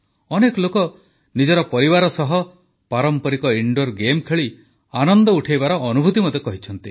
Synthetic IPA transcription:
ɔnekɔlokɔ | nid͡ʒɔɾɔpɔɾibaɾɔsɔɦɔ | paɾɔmpɔɾikɔiɳɖoɾɡemkʰeɭi | anɔnd̪ɔuʈʰejbaɾɔʔːnubʱut̪imɔd̪ekɔɦit͡ʃʰɔnt̪i

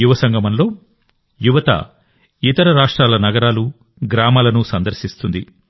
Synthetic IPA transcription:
uʋɐsɐŋɡɐmɐnlo̞ː | juʋɐt̪ɐ̰ | it̪ɐɾɐɾaːʂʈɾaːlɐnɐɡɐɾaːlu | ɡɾaːmaːlɐnusɐnd̪ɐɾʃist̪und̪i

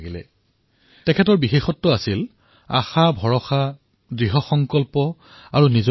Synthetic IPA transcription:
ɡilɛ̰ | tɛkʰɛtɔɹbixexɔtːʊasil | a̰xabʱɔɹɔxa | dɹiɦɔxɔŋkɔlpɔ | aɹuniz

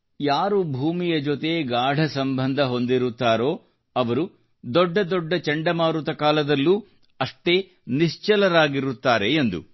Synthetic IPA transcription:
jaːɾubʱuːmijɐd͡ʒot̪eɡaːɖʱɐsɐmbʱɐnd̪ʱɐɦo̞nd̪iɾut̪ːaːɾo̞ː | ɐʋɐɾu | d̪ɔɖːɐd̪ɔɖːɐt͡ʃɐɳɖɐmaːɾut̪ɐkaːlɐd̪ɐlːu | ɐʂʈe̞ː | niʂt͡ʃɐlɐɾaːɡiɾut̪ːaːɾe̞ːnd̪ṵ

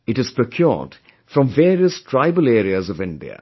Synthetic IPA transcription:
ɨtɨz̥pʰɹ̥əkʰjɔ̰ɹd̥ | fɹʌ̃ɱveːɾiəstʰɹ̥aɪbəleːɾiəzʌvɪ̃ndḭə̰

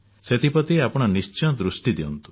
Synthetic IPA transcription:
set̪ʰipɔt̪iapɔɽ̃ɔnist͡ʃɔ̃d̪ɾusʈid̪iɔ̰nt̪u̥

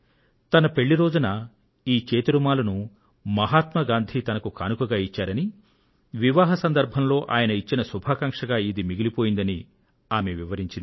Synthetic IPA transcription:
t̪ɐnɐpe̞ɭːiɾo̞ːd͡ʒunɐ | iːt͡ʃeːt̪uɾumaːlɐnu | mɐɦaːt̪mɐɡaːnd̪ʱit̪ɐnɐkukanukɐɡaːit͡ʃːaːɾɐni | ʋiʋaːɦɐsɐnd̪ɐɾbʱɐmlo̞ːʔa̰ːjɐnɐit͡ʃːinɐsubʱaːkɐŋʂɐɡaːid̪imiɡilipo̞ːjind̪ɐni | aːmeʋiʋɐɾiɲt͡ʃind̪i

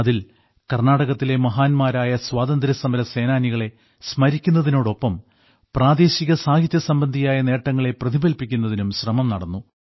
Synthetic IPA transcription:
ɐðil | kɐrnaːɽɐɣɐt̪ːile̞mɐɦaːnmaːɾaːjɐswaːd̪ɐnd̪ɾɐsɐmɐɾɐse̞ːnaːniɣɐɭe̞ | smɐɾikʲːunːɐðino̞ːɽo̞pːɐm | praːd̪eːɕiɣɐsaːɡʱit̪ːjɐsɐmbɐnd̪ʱijaːjɐne̞ːʈːɐŋːɐɭe̞prɐðibɐlpikʲːun̪ːɐðinumɕrɐmɐmnɐɽɐnːu

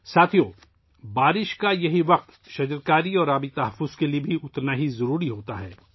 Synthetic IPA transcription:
saːt̪ʰioː | baːɾɪʃkajɐɦiʋɐq̚t̪ | ʃɐd͡ʒəɾkaːɾiɔːɾaːbit̪ɐɦəfːʊz̥keliebʱiʊt̪naɦizɐɾuːɾiɦoːt̪aɦɛː

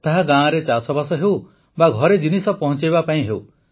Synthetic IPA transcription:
t̪aɦaɡãːɾet͡ʃasɔbasɔɦew | baɡʱɔɾed͡ʒinisɔpɔɦɔ̃t͡ʃajbapaĩɦew

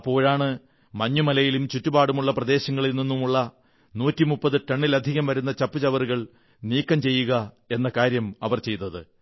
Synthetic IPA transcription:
ɐpːo̞ːɻaːɳɨ | mɐɲːumɐlɐjilumt͡ɕutːubaːɽumuɭːɐprɐd̪e̞ːɕɐŋːɐɭilninːumuɭːɐ | nuːtːimupːɐðɨʈɐɳːilɐd̪ʱiɣɐmʋɐɾunːɐt͡ɕɐpːut͡ɕɐʋɐruɣɐɭ | niːkːɐmt͡ɕe̞jːuɣɐ | e̞nːɐkaːɾjɐmɐʋɐrt͡ɕe̞jt̪ːɐðɨ

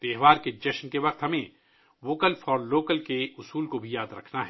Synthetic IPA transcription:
t̪eːɦʋaːɾked͡ʒɐʃnkeʋɐqt̪ɦɐmẽ | ʋoːkəlfɔːɾloːkəlkeʊsuːlkobʱijaːd̪ɾɐ̰kʰnaɦɛ

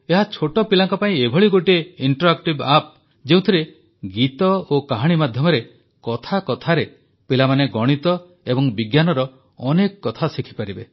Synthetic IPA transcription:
eɦat͡ʃʰoʈɔpilaŋkɔpaĩebʱɔɭiɡoʈieiɳʈɾoak̚ʈibap̚ | d͡ʒeũt̪ʰiɾe | ɡit̪ɔokaɦaɽ̃imad̪ʱjɔmɔɾe | kɔt̪ʰakɔt̪ʰaɾe | pilamaneɡɔɽ̃it̪ɔ | ebɔŋbiɡjanɔɾɔ | ɔnekɔkɔt̪ʰasikʰi̥paɾibḛ

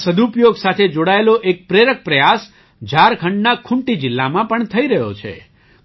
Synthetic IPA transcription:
səd̪ʱupjoɡsat̪ʰed͡ʒoɽaeloʔek̚pɾeɾək̚pɾəjas | d͡ʒaɾkʰəɳɖnakʰʊɳʈid͡ʒɪlːamãpəɳt̪ʰəiɾəɦjo̰t͡ʃʰḛ

